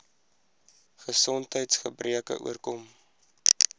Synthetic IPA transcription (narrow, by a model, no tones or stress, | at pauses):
χəsɔntɦəjtsχəbrʔiəkə̰ʔṵərkɔm